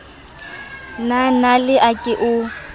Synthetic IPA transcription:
nanalɪʔakʼɪʔʊ

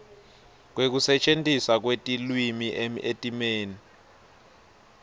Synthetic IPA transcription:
k̬wek̬usɛt͡ʃʼentʼisak̬wetʼilwimiʔetʼimeːni

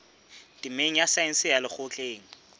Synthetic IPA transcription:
tʼɪmeŋ̩jasaɪn̩sɪjalɪχʊt͡ɬʼeːŋ̩

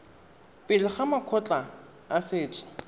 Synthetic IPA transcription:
pʼɪlɪχamakʰɔt͡ɬʼa | asɪːt͡ʃʼɪ̥

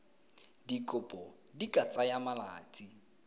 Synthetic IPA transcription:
dikʼʊpʼɔ | dikʼat͡sʼajamalaːt͡sʼi

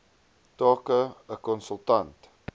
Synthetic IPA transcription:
tɑːkəəkɔnsəlˠtɐnt

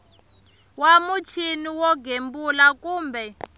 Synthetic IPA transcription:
wamut͡ʃʰiniwɔɡʱembulakuːmbɛ

